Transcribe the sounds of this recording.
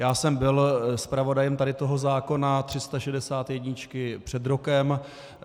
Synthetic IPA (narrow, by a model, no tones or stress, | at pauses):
jaːsɛmbɪlspɾavo̞dajɛmt̪adɪt̪o̞ɦo̞zaːko̞nat̪r̥ɪst̪aʃɛdɛsaːt̪jɛdɲɪt͡ʃkɪpr̝̥ɛd̪ɾo̞kɛm